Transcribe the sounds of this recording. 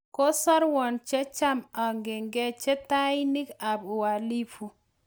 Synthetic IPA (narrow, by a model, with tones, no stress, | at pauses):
ko˦sɔ˦ɾwɔ˨nt͡ʃɛ˦t͡ʃa˦ma˨ŋɡɪ˨ŋɡɛ˦t͡ʃɛ˦ta˦i˦ni˦ka˨bu˨wa˨li˦fu˨